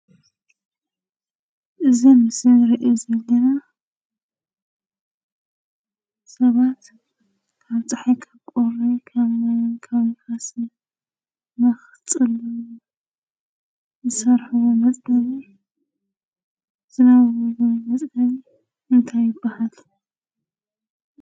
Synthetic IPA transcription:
ʔɨzimɨsɨɾiʔozɐlːɐna | sɐβat̪ | kʰaβt̪ʼaħikʰɐkʼoɾikʰamajunkʰaβkʰasi | mɐx | t͡sʼɨl | zɨsɐɾħuwomɐt͡sʼɐβi | z̥ɨnawoomɐt͡sʼɐli | ɨnt̪ʰajːɪb̥ːahal

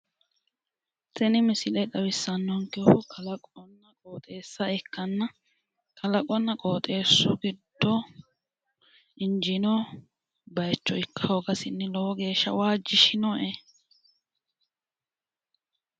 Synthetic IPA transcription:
t̪ɛnɪmɪsɪlɛt̪ɐwɪsːɐnːɔŋkɛhʊkʰɐlɐkʼɔnːɐkʼoːt̪ʼeːsːɐɛkːɐnːɐ | kɐlɐkʼɔnːɐkʼoːt̪ʼe̞ːsːʊ̰ɡɪd̪̥ːɔ | ɪnd͡ʒɪnɔ | bɐjt͡ʃːɔɪkːɐoɡɐsɪnːɪlɔwɔɡe̞ːʃːɐ̰waːd͡ʒːɪʃɪnɔʔe

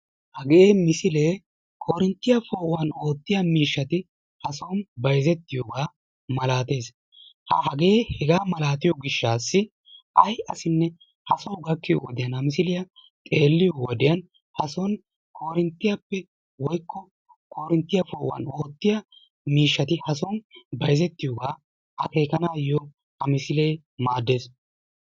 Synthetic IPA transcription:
hɐɡemɪsɪle̞ː | kʰoːɾɪnt̪ːɪjɐfoːʔʊwɐno̞ːt̪ːɪjɐmiːʃːɐt̪ɪ | hɐsonbɐjzɛt̪ːɪjoːɡaː | mɐlaːt̪e̞ːs | hɐ̰hɐɡe̞ːhɛɡaːmɐlaːt̪ɪjɔɡɪʃːaːsːɪ | ʔɐjɐsɪnːɛ | hɐsowɡɐkːɪjɔ̰wɔd̪ɪjɐnhɐmɪsɪlɪjɐ | t̪ʼe̞ːlːɪjɔwɔd̪ɪjɐn | hɐsɔn | kʰoːɾɪnt̪ːɪjapːɛ | wɔjkːɔ | koːɾɪnt̪ːɪjɐfoːʔwɐ̰noːt̪ːɪjɐ | miːʃːɐt̪ɪhɐsɔnbɐjzɛt̪ːɪjoːɡaː | ʔɐ̰keːkɐnaːjɔ | hɐmɪsɪle̞ː | maːd̪ːe̞ːs

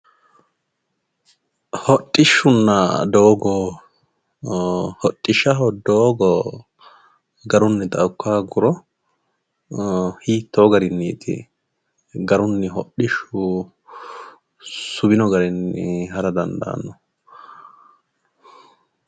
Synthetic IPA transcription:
hɔtʼːɪʃːʊnːɐd̪oːɡɔ | hɔtʼːɪʃːɐɦɔd̪oːɡɔ | ɡɐɾʊnːɛt̪ʼɐʊkːaːɡʊɾɔ | hiːt̪ːoːɡɐɾɪnːiːt̪ʰɪ̰ | ɡɐɾʊnːɪɦɔɗɪʃʊ | sʊbɪnɔɡɐɾɪnːɪ̰hɐɾɐd̪ɐnd̪ɐ̰ːnːɔ

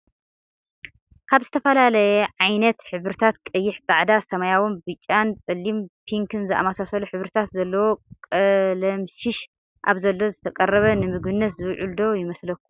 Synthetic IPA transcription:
kʰaβzɨt̪ʰɐfɐlalɐjɛʕajnɐt̪ħɨβɾɨt̪ʰat̪kʼɨjːɪħt͡sʼaʕd̪asɐmajawonbɨt͡ʃʼːant͡sʼɨlːimpʰiŋkʰɨnzɨʔa̰masasɐluħɨβɾɨt̪ʰat̪zɐlːɐwo̞kʼɐlɐmʃɪʃ | ʔa̰βzɐlːo̞zɨt̪ʰɐkʼɐrːɐβɐnɨmɨɡɨnːɐt̪zɨwʕuld̪o̞jɪmɐslɐkːu̥

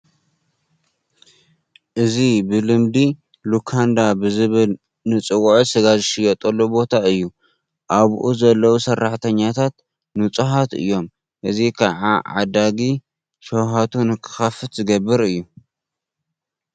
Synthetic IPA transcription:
ʔɨzibɨlɨmd̪i | lukʰand̪abɨzɨβɨl | nɨt͡sʼɨwʕsɨɡazɨʃɪjɐt̪ʼɐlːobo̞t̪ʰaɨjːu | ʔaβʔuzɐlːɐwusɐrːaħt̪ʰɐɲːat̪ʰat̪̚ | nut͡sʼuɦat̪ɨ̰jːo̞m | ʔɨzikʰaʕaʕa̰d̪aɡi | ʃowɦat̪ʰunɨkʰɨ̥xɐfɨt̪zɨɡɐbːɨɾɨjːu

